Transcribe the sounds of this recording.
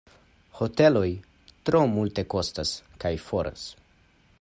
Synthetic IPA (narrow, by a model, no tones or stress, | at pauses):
ho̞te̞lo̞j | tɾo̞multe̞ko̞staskajfo̞ɾʔa̰s